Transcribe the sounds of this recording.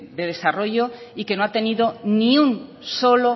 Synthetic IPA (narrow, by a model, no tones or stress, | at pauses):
d̪eð̞e̞saro̞ʝoikenoat̪eniðonĩun | solo